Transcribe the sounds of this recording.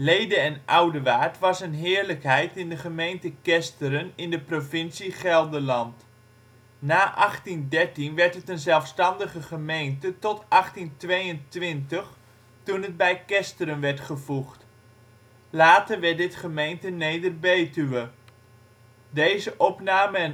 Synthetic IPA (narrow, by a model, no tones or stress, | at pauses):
lejdəɛnʌwdəʋaːɹtʋɑsənɦɪːɹləkɦɛjtɪndəχəmejntəkɛstəɾənɪndəprovɪnsiχɛlˠdəlɑnt | naːʔɑχtindɛɹtinʋɛɹtətənzɛlˠfstɑndəχəχəmejntətɔtʔɑχtintʋejəntʋɪntəχ | tunɦəd̚bɛjkɛstəɾənʋɛɹtχəvuχt | laːtəɹʋɛt̚dɪtχəmejntənejdərbejtyʋə | dejzəʔɔpnaːmə